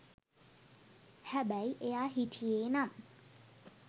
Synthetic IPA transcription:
hæbæjʔejaːɦitʰijeːnam

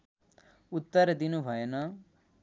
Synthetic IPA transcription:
ut̪ːəɾd̪inubʱʌenʌ

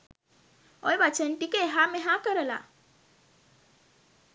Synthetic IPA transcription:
ɔjbat͡ʃʰənʈikeɦãmeɦãkəɾəla̰

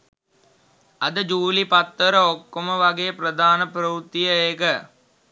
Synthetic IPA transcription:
ɐd̪əd͡ʒuːlipat̪ːəɾəokːoməʋaɡeːprəd̪ʱaːnəpɾəʋut̪ːijəeːkə

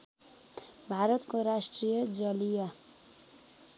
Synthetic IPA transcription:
bʱaɾʌt̪koɾasʈrijʌd͡zʌlija

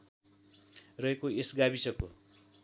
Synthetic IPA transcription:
rʌɦekoesɡabisʌko̰

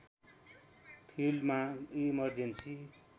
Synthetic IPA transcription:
pʰilmaimʌrd͡zensi

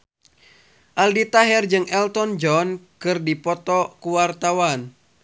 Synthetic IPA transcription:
ʔaldit̪aɦɛrd͡ʒɨŋɛlt̪ɔnd͡ʒɔnkɨrdipɔt̪ɔkuwart̪awan

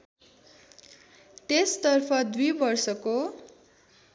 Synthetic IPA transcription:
t̪est̪ʌrpʰʌd̪ujbʌrsʌko

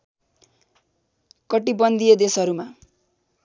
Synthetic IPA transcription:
kʌʈibʌnd̪ijed̪esʌɾuma

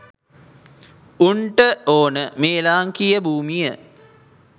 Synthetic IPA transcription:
uɳʈəoːnəmeːlaːŋkijəbʱuːmijə

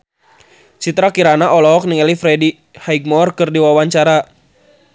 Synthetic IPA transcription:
t͡ʃit̪ɾakiɾanaʔɔlɔɦɔk̚nɪŋɛlifɾɛdi | haiɡ̚mɔrkɨrdiwawaɲt͡ʃaɾa

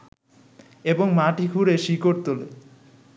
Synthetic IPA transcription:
eboŋmaʈikʰuɾeʃikoʈ̚t̪ole

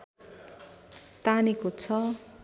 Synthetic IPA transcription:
t̪anikot͡sʰʌ

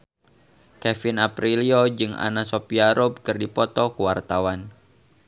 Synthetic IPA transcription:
kɛfinapɾiliod͡ʒɨŋa̰nasopiaɾɔb̚kɨrdipɔt̪ɔkuwart̪awan

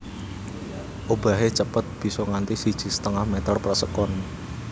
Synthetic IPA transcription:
ʔob̥a̤ɦet͡ʃəpət̪̚b̥i̤sɔŋant̪isid̥ʒ̥i̤sə̥t̪əŋahmɛt̪ərpərsəkɔn

